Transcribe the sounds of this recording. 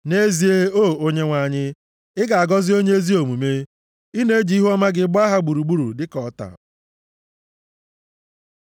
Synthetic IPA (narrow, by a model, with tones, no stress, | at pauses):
ne˦zi˨e˦o˦˨o˦ɲe˦ŋʷa˨ɲɪ˦ | ɪ˦ɡa˨a˨ɡɔ˦zɪ˦o˦ɲe˦e˦zi˦o˨mu˨me˦ | i˦ne˦d͡ʒi˨˦i˦ɦu˦ɔ˦ma˦ɡɪ˨˦ɡ͡bɔ˦a˦ɦa˦ɡ͡bu˨ɾu˨ɡ͡bu˦ɾṵ˨dɪ˦kɔ˨˦ta̰˨